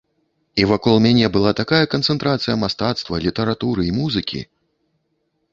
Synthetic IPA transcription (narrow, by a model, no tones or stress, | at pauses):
ivakɔlˠmʲanʲɛbɨlˠat̪akajɐkɐnt̪sɛnt̪ɾat̪sɨjɐmast̪at̪st̪vɐlʲit̪ɐɾat̪uɾɨimuzɨkʲḭ